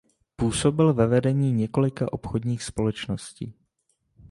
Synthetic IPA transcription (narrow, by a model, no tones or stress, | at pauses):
puːso̞bɪlvɛvɛdɛɲiːɲɛko̞lɪkaʔo̞pxodɲiːxspo̞lɛt͡ʃno̞scḭː